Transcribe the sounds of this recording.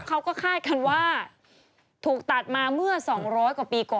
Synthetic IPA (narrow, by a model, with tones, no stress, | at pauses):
kʰa˦˥wkɔː˥˩kʰaː˥˩t̪̚kʰa˥˩nwaː˥˩ | t̪ʰuː˨˩k̚t̪a˨˩t̪̚maː˧mɯ˥˩ɐsɔː˩˦ŋɾɔː˦˥jkwa˨˩piː˧kɔː˨˩